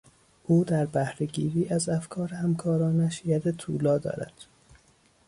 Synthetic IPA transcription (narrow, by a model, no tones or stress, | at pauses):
ʔuːd̪æɾbæhɾe̞ɟiːɾiːʔæzæfkʰɒːɾehæmkʰɒːɾɒːnæʃjæd̪et̪ʰṵːlɒːd̪ɒ̰ːɾæ̰d̪̥